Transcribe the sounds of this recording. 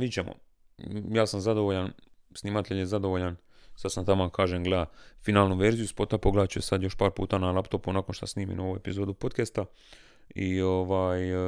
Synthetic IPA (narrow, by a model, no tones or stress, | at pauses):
ʋit͡ɕemʔo̰ | jaːsamzad̪o̞ʋoʎan | snimat̪ʰeʎjezad̪o̞ʋoʎan | sasant̪amokʰaːʒeŋɡleafinaːlˠnuʋeɾzijuspo̞t̪apoɡled̪at͡ɕuesad̪jo̞ʃpaːɾpṵːt̪analˠapt̪o̞punaːko̞nʃt̪asniːmḭnoʋue̞pizo̞ːd̪upo̞t̪kest̪a | ioʋaːj